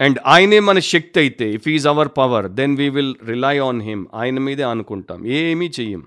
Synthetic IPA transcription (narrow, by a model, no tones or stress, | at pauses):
ɛ̃ɳɖaːjneːmɐnɐʃɐk̚t̪ɐjt̪ːeifɦiːzɐʋɐɾpɐʋɐɾd̪ɛnʋiːʋilɾilajɔːnɦɪ̃ma̰ːjnɐmiːd̪eɐnukuɳʈa̰ːmeːmit͡ʃejḭm